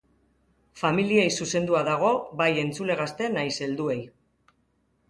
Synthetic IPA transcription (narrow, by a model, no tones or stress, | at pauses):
familiejsuse̞nd̪uaðaɣ̞o̞baje̞nt͡sule̞ɣ̞ast̪e̞najse̞ld̪ue̞j